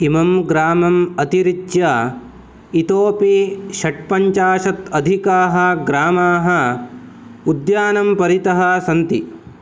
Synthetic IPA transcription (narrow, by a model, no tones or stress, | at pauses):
imɐmɡɾaːmɐmɐt̪iɾid͡ʒjɐ | it̪oːpiʃɐʈ̚pɐɲt͡ʃaːʃɐt̪ɐd̪ʱikaːɦɐɡɾaːmaːɦɐ | ud̪jaːnɐmpɐɾit̪ɐɦɐsɐnt̪i